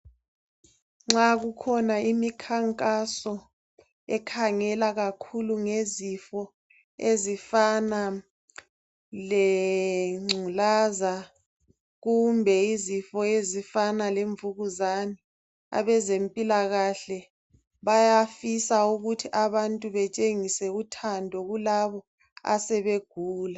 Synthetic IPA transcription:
ŋ͡ǁaɣukʰɔnaimikʰaŋkʼasɔ | ɛkʰaŋɛlaɣakʰuluŋezifɔ | ezifana | lɛ | ŋ͡ǀʱulaza | ɣumbʱɛizifɔezifanaleɱvuɣuzani | a̰βɛzempʼilaɣaɬɛ | βajafisauɣutʰiʔaβantʼuβɛt͡ʃʼeŋisɛutʰandʱɔɣulaβɔ | a̰sɛβeɡ̥ʱuːla

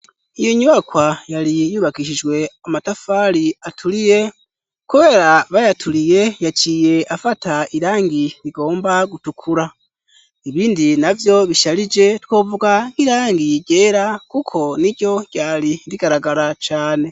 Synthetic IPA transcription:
ijoɲuβakwajalijuβakiʃiʒwe̞amatafaːɾiatʰulije̞ | kuβe̞ːɾaβajatʰulije̞jaciːje̞ʔafataiɾaːŋɡiɾiɡo̞ːmbaɡutukʰuɾa | iβiːndinavjo̞βiʃalid͡ʒe̞tko̞ːvuɡaŋkiɾaːŋɡiɟe̞ːɾakukʰo̞niɟo̞ɟ̥aːlindiɡaɾaɡaɾat͡ʃaːne̞

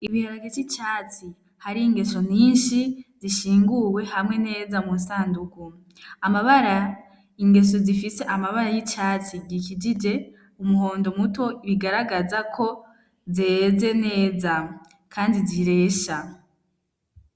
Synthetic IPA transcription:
iβiheɾaɡevit͡ʃaːt͡si | haɾiːŋɡe̞so̞ɲiːnʃiziʃiːŋɡuwe̞hamŋe̞ne̞ːzamunsaːnduku | amaβaɾa | iŋɡe̞s̬o̞zifise̞ʔamaβaɾajit͡ʃaːt͡siɡikid͡ʒid͡ʒe̞ | umuho̞ːndo̞muto̞iβiɡaɾaɡazakʰo̞ | ze̞ːze̞ne̞ːza | kʰaːndiziɾe̞ːʃa

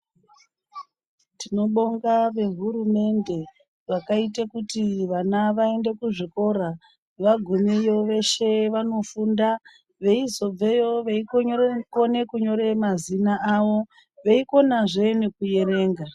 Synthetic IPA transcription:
tino̞ɓoŋɡaʋe̞ɦurume̞nde̞ | ʋakaitekutiʋanaʋae̞nde̞kuʐiko̞ɾa | ʋaɡʱumijo̞ʋe̞ʃe̞ʋano̞funda | ʋe̞izo̞b͡ve̞joʋeikone̞kuɲo̞ɾe̞mazinaʔawo̞ | ʋeiko̞naʐe̞nekuje̞ɾe̞ːŋɡa

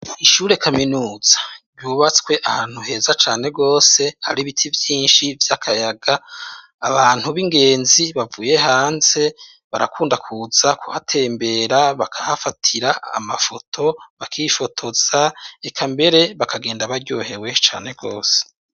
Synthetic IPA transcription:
iʃuːɾe̞kʰaminuːz̥ḁɾɟuːβat͡skwe̞ʔahaːn̥huɦe̞ːzat͡ʃaːne̞ɡo̞ːse̞haɾiβitʰivjiːnʃivjakʰajaɡaː | βaːn̥huβiŋɡe̞ːnziβavuːje̞ɦaːnze̞ | βaɾa̰kʰuːndakʰuz̥akuhatʰe̞ːmbe̞ɾaβakʰahafatʰiɾaa̰mafo̞tʰo̞βakʰiifo̞tʰo̞z̥aekʰambe̞ɾe̞βakʰaɡe̞ːndaβaɾɟo̰ːhe̞we̞t͡ʃa̰ːne̞ɡo̞ːse̥

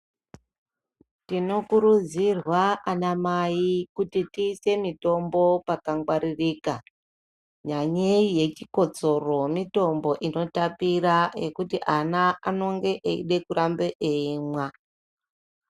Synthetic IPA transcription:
tino̞kuɾud͡zirwaʔanamaikutitiːse̞mito̞mbo̞pakaŋɡwaɾiriːka | ɲaɲeije̞t͡ʃiko̞t͡so̞ro̞mito̞mbo̞ʔino̞tapiraekutiʔanaa̰no̞ŋɡe̞ʔeḭɗe̞kuɾambeʔeimwa

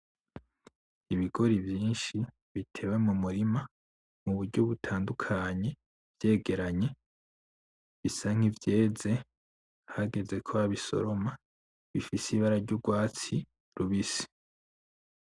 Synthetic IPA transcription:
iβiɡ̥o̞ɾivjiːnʃi | βitʰe̞we̞mumuɾima | muβuɾɟo̞βutʰaːndukʰaɲe̞ | vje̞ːɡe̞ɾaɲe̞ | βisaŋ̥ivje̞ːze̞ | haɡe̞ze̞kʰoaβiso̞̰ɾoma | βifisiβaɾaɾɟuɡwaːt͡si | ɾuβisi̥

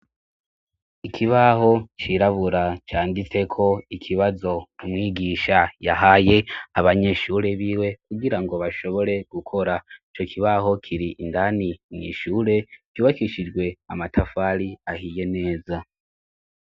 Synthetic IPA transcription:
ikʰiβaɦo̞t͡ʃiɾaβuɾat͡ʃaːndit͡se̞kʰo̞ikʰiβazo̞ɾumŋiːɡiːʃajaɦaje̞aβaɲe̞ʃuːɾe̞βiːwe̞kuɡiɾaŋɡo̞βaʃo̞βo̞ɾe̞ɡukʰo̞ɾait͡ʃo̞kʰiβaɦo̞kʰiɾiʔːndaniŋḭʃuːɾe̞kjuːβakiʃid͡ʒɡwe̞amatʰafaɾiahije̞ne̞ːza

